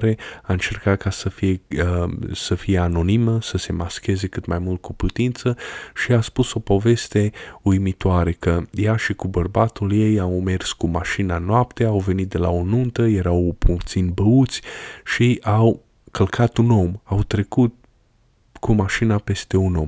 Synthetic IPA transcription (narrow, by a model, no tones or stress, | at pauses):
ɾe̞aɨnt͡ʃe̞rkat̪̚kasəfijeəsəfije̞ano̞niməsəse̞maskʲe̞ze̞kɨt̪majmult̪̚kuput̪int̪səʃiaspuso̞po̞ve̞st̪e̞ujmit̪oaɾe̞kəjaʃikubərbat̪ulje̞jawme̞rskumaʃinanoapt̪eawve̞nit̪̚d̪e̞laonunt̪əje̞ɾawpʰut̪sinbəut̪sʲʃiʔaw | kəlkʰat̪uno̞mawt̪ɾe̞kut̪̚ | kumaʃinape̞st̪e̞unom